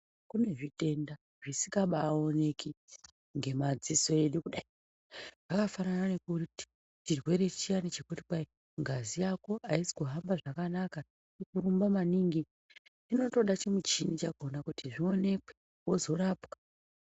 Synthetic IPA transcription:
kune̞ʐite̞nda | ʐisikaɓaːo̞ne̞ki | ŋɡe̞mad͡ziso̞e̞ɗukuɗai | aʐakafanananekuriti̥ | t͡ʃirwe̞ɾe̞t͡ʃianit͡ʃekuti̥kai | ŋɡʱazijako̞ʔaisi̥kuɦambaʐakanaka | tikuɾumbamaniŋɡi | tino̞to̞ɗat͡ʃemut͡ʃinit͡ʃaɡʱo̞nakutiʐio̞ne̞kwe | wo̞zo̞ɾapkḁ

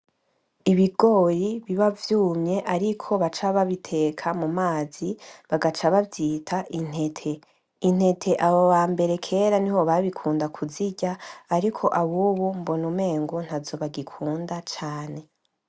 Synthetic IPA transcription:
iβiɡo̞ːjiβiβavjuːmɲe̞ʔaɾikʰo̞βat͡ʃaβaβitʰe̞kʰamumaːz̥iβaɡat͡ʃaβavjiːtʰaʔin̥he̞tʰe̞ | in̥he̞tʰe̞ʔaβoβaːmbe̞ɾe̞kʰe̞ːɾaniho̞βaβikʰuːndakʰuziɟaːɾikʰo̞ʔaβuːβumbonume̞ːŋɡon̥azo̞βaɡikʰuːndat͡ʃaːne̞

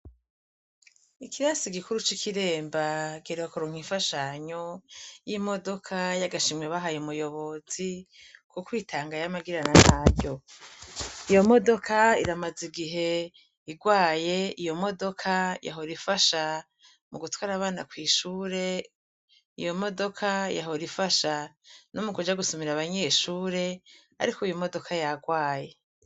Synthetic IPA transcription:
ikiɾasiɡikuɾut͡ʃikʰiɾe̞ːmbaɡeɾewakuɾoŋ̥iɱfaʃaɲo̞jimo̞do̞kʰajaɡaʃimweβaɦajemujo̞βo̞zi | kukwiːtʰaːŋɡajamaɡiɾananaɟo̞ | ijo̞mo̞do̞kʰaiɾamaziɡiɦe̞ | iɡwaːje̞ijo̞mo̞do̞kʰaja̰ɦoɾifaʃa | muɡutwaːɾaβaːna̰kwiːʃuːɾe̞ | ḭjo̞mo̞do̞kʰaja̰ɦo̞ɾifaʃanomukud͡ʒaɡusomiɾaβaɲe̞ʃuːɾe̞ | a̰ɾikojomo̞do̞kʰajaɡwaːje̞

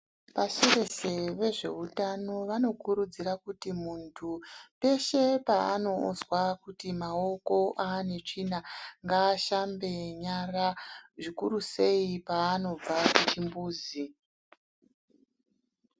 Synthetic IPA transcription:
paʃere̞se̞ʋe̞ʐe̞̰utano̞ʋano̞kuɾud͡ziɾakutimuntʰupe̞ʃe̞paːno̞o̰zwakutimao̞ko̞ʔane̞t͡ʂinaŋɡaːʃambe̞ɲaraʐikuɾuse̞ipaːno̞b͡vakut͡ʃimbuːzi

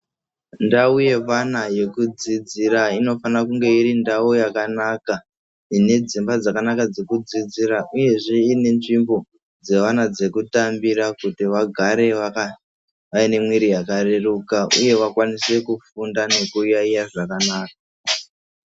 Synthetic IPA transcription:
ndauje̞ʋanaje̞kud͡zid͡ziɾaino̞fanakuŋɡe̞iɾindaojakanaka | ine̞d͡zimbad͡zakanakad͡ze̞kud͡zid͡ziɾaʔuje̞ʐe̞ine̞nʐimbo̞ | d͡ze̞ʋanad͡ze̞kutambiɾakutiʋaɡʱaɾe̞aa | ʋaine̞mwiɾijakare̞rukaʔuje̞ʋakwanise̞kufundane̞kujaijaʐakanaːka

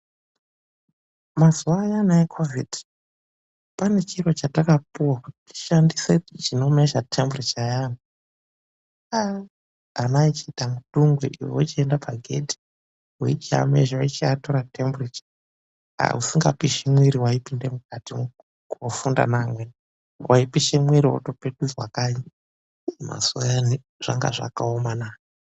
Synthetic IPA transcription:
mazuwaːjanaekʰovidi̥ | pane̞t͡ʃiro̞t͡ʃatakapuwakuti̥ti̥ʃandised͡ʒino̞me̞ʃatʰemburit͡ʃajana | a | anait͡ʃiːtamutuŋɡwḛʔiwo̰t͡ʃiendapʰaɡʱe̞̰ti̥ | weit͡ʃia̰meʒait͡ʃiato̞ɾatʰemburit͡ʃḁ | a̰usiŋɡapiʃimwiɾiwaipinde̞mukati | kuofunda̰namwen | wʔaipiʃemwiɾio̰to̞pe̞ɗud͡zwakaɲa | ma̰suajani | ʐ̥a̰ŋɡa̰ʐa̰kaomanaːjo

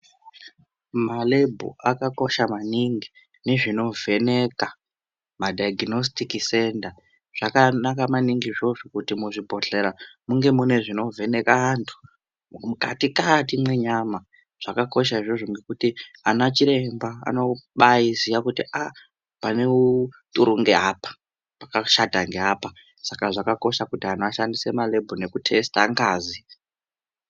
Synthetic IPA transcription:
malebʱo̰akako̞ʃamaniŋɡi | ne̞ʐino̞vʱe̞ne̞ka | madaaɡino̞s̬tikise̞nda | ʐ̥akanakamaniŋɡiʐo̞ʐokutimuʐibʱo̞ɬe̞ɾamuŋɡe̞mune̞ʐino̞vʱe̞ne̞kaantʰu̥ | mukatikatimwe̞ɲaːma | ʐ̥akako̞ʃ̬aiʐo̞ʐomɡe̞kutianat͡ʃiɾe̞mbaa̰no̞ɓajizijakutiʔa | pane̞utʼuɾuŋɡeapḁ | pakaʃadʱaŋɡe̞ɦapa | sakaʐakako̞ʃakutiɦanoaʃandisemale̞bʱone̞kutʰe̞staŋɡaːzi

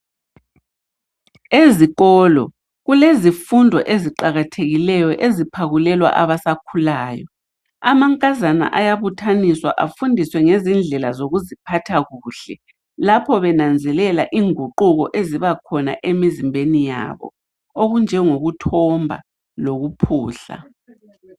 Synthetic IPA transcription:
eziɣɔlɔ̰ | ɣulezifundʱɔ̰ʔeziǃaɣatʰeɣilɛjɔʔezipʰaɣulɛlwa̰ʔaβasakʰulaːjɔ̰ | amaŋkʼazana̰ʔajaβutʰaniswa̰ʔafundʱiswɛŋezind͡ɮʱɛlazoɣuzipʰatʰaɣuːɬɛ | lapʰɔβɛnand͡zʱɛlɛlaʔiːŋuǃuɣɔʔeziβakʰɔna̰ʔemizimbʱenija̰βɔ̰ | oɣund͡ʒʱɛŋoɣutʰɔmbʱa̰ | loɣupʰuːɬa̰

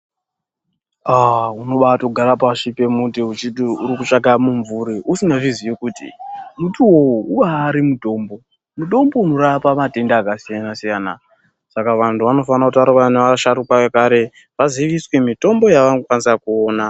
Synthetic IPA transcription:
auno̞ɓatoɡʱaɾapaʃipe̞mutiut͡ʃiɗiuɾikut͡ʂaɡamuɱvuɾiʔusinavizije̞kuːtḭmutʰuwouuʋaːɾimudo̞ːmbo̞ | muɗo̞mbo̞uno̞ɾapamate̞ndaːkasijanasijaːna̰ | sakaʋantʰuʋano̞fanakutʋaɾokaneʋaʃaɾukaekaɾe̞ | ʋaziʋiswe̞mito̞mbo̞jaʋanokwanisakuoːna

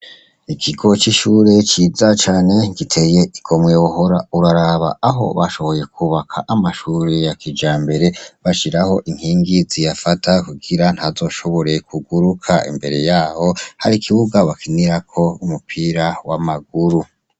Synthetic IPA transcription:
ikʰiɡo̞t͡ʃiʃuɾe̞t͡ʃiːzat͡ʃaːne̞ɡitʰe̞je̞iɡ̥o̞mwewuɦo̞ɾa̰uɾaɾaβa̰aɦo̞̰βaʃo̞βo̞je̞kʰuβakʰaʔamaʃuɾejakid͡ʒaːmbe̞ɾe̞βaʃiɾaho̞ʔiŋ̥hiːŋɡizijafatʰakuɡiɾan̥hazo̞ʃo̞βo̞ɾe̞kʰuɡuɾukʰa̰ḭmbe̞ɾe̞jaːho̞ha̰ɾikʰiβuɡaβakʰiniɾakʰo̞umupʰiɾawamaɡuɾu

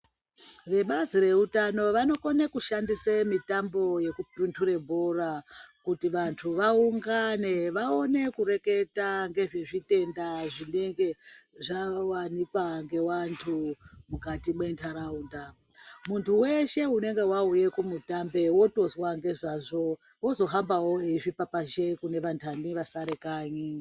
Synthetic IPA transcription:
ʋe̞ɓazire̞utano̞ʋano̞konekuʃandisemitambo̞je̞kupintʰuɾe̞bʱorakutiʋantʰuʋauŋɡane̞ʋao̞ne̞kuɾe̞ke̞taŋɡe̞ʐe̞ʐite̞ndaʐine̞ŋɡe̞ʐawanipaŋɡe̞wantʰumukatimwe̞ntʰaɾaunda | muntʰuwe̞ʃe̞une̞ŋɡe̞wauje̞kumutambe̞wo̞to̞zwaŋɡe̞ʐaʐo̞ | wo̞zo̞ɦambawo̞eʐipapaʃe̞kune̞ʋantʰaniʋasaɾekaːɲi

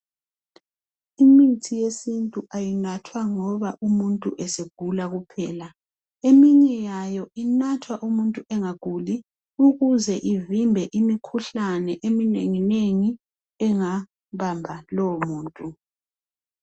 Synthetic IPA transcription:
imitʰijesintʼuʔajinatʰwaŋɔβaʔumuntʼuʔɛseɡ̥ʱulaɣupʰɛːla | emiɲɛjajɔinatʰwaʔumuntʼuʔɛŋaɡ̥ʱuli | uɣuzɛʔivimbʱɛʔimikʰuɬanɛʔemineŋineŋi | ɛŋa | βambʱalɔmuːntʼu

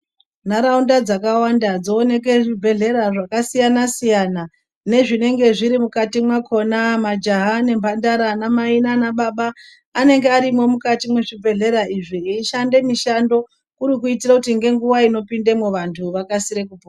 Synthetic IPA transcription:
naɾaundad͡zakawandad͡zo̞ːne̞k̬e̞ʐibʱe̞ɮe̞ɾaʐakasijanasijana | ne̞ʐine̞ŋɡe̞ʐiɾimukatimwakʰo̞namad͡ʒaɦane̞mbʱandaɾanamainanaɓaɓaː | ne̞ŋɡeaɾimwo̞mukatimwe̞ʐibʱe̞ɮe̞ɾaiʐiiʃande̞miʃando̞ | kuɾikuitirakutiŋɡe̞ŋɡuʋaino̞pindemwuʋantʰuʋakasiɾe̞kupoa

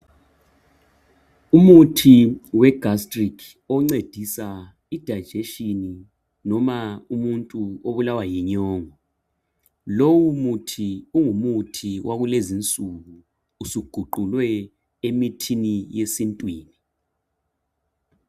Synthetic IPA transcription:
umutʰiwɛɡ̥ʱastʼrikʰ | ɔŋ͡ǀed̥ʱisa | id̥ʱad̥ʒ̥ʱeʃini | nɔmaumuntʼuoβulawajiɲɔːŋɔ | lowumutʰiuŋumutʰiwaɣulezint͡sʼuɣuː | suɡ̥ʱuǃulwɛ | emitʰinijesintʼwiːni

